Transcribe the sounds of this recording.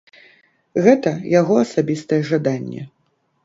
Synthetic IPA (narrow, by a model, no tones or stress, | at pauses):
ɣɛt̪ɐjaɣɔɐsabʲist̪ɐjɛʐad̪anʲːɛ̰